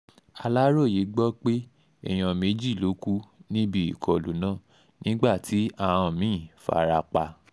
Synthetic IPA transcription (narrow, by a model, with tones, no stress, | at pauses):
a˧la˦ɾo˦˨ji˨˦ɡ͡bɔ˦k͡pe˦ | ɛ̰˦˨j̃ã˨˧me˨˦d͡ʒi˦˨lo˨˦ku˦nĩ˦bi˦ḭ˨kʰɔ˨lu˨˦nãː˦˨ | nĩ˦ɡ͡ba˦˨tʰi˨˦ã˧ɔ̃˧˨mĩː˦˨fa̰˧˨˧ɾa˧k͡pa˧